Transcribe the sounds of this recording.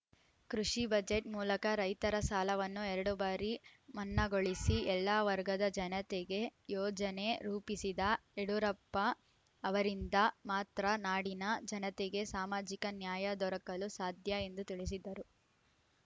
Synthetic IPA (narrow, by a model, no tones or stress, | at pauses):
kɾuʂibɐd͡ʒeʈmuːlɐkɐɾɐjt̪ɐɾɐsaːlɐʋɐnːuɛɾɐɽubaːɾimɐnːɐɡo̞ɭisiɛlːaːʋɐɾɡɐd̪ɐd͡ʒɐnɐt̪eɡe̞jɔːd͡ʒɐne̞ɾuːpisid̪ɐɛɽuɾɐpːɐː | ʋɐɾind̪ɐmaːt̪ɾɐnaːɽinɐd͡ʒɐnɐt̪eɡe̞saːmaːd͡ʒikɐnjaːjɐd̪ɔɾɐkɐlusaːd̪ʱjɐe̞nd̪ut̪iɭis̬id̪ːɐɾu